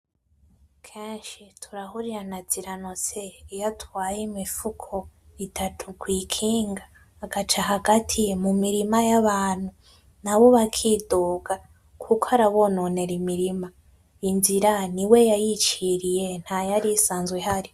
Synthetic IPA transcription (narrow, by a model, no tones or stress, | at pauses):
kʰeːnʃitʰuɾahuɾiɾanaz̥iɾanoseijatwaːjimifukʰoitʰatʰukwiːkʰiːŋɡaː | ɡ̥at͡ʃaɦaɡatʰimumiɾimajaβaːn̥hu | naβo̞βakʰidoːɡa | kʰukoaɾaβo̞none̞ɾimiɾima | inziɾaniwe̞jajit͡ʃiɾije̞n̥hajaɾisaːnzweɦaɾi